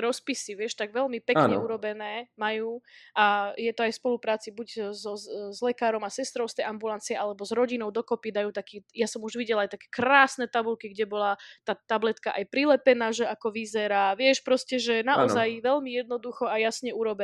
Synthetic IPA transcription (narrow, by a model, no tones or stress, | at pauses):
ɾɔspisiʋɪɛʃt̪aɡʋɛʎmipɛkɲɛuɾɔbɛnɛːmajuːʔajɛt̪ɔajfspɔlupɾaːt͡sibuɟzɔzlɛkaːɾɔmasɛst̪ɾɔʊst̪ɛjʔambulant͡siɛʔalɛbɔzɾɔɟinɔʊd̪ɔkɔpid̪ajuːt̪akiːjasɔmuʒʋiɟɛlajt̪akɛ̥ːkɾaːsnɛt̪abulkiɡɟɛbɔlat̪aːt̪ablɛt̪kaʔajpɾilɛpɛnaːʒɛʔakɔʋizɛɾaʋɪɛʃpɾɔscɛʒɛnaʔɔzajʋɛlmijɛd̪nɔd̪uxɔajasɲɛuɾɔbɛ